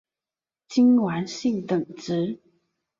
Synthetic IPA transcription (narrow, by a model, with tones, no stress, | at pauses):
t͡ɕi˥nwa˧˥nɕi˥˩ŋt̪ə˨˩ŋʈ͡ʂɻ̩˧˥